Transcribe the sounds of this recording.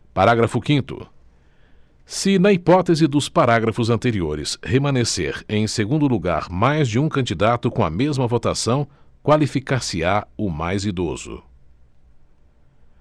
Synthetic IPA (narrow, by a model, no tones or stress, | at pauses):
paɾaɡɾɐfʊkĩnt̪ʊ̰ | sɪnɐipɔt̪ezɪd̪ʊspaɾaɡɾɐfʊzɐ̃nt̪eɾioɾɪshemɐ̃nesḛɾẽj̃seɡũnd̪ʊluɡa̰ɾmajzd͡ʒɪũkɐ̃nd͡ʒid̪at̪ʊkõɐ̰mezmɐvot̪asɐ̃w̃kwalifikasɪaʊmajzid̪ozʊ̰